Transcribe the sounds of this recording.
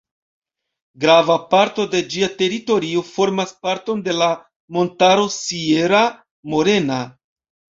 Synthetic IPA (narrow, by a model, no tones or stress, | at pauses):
ɡɾavapaɾto̞de̞d͡ʒiate̞ɾito̞ɾio̞fo̞ɾmaspaɾto̞nde̞la | mo̞ntaɾo̞sieɾa | mo̞ɾe̞na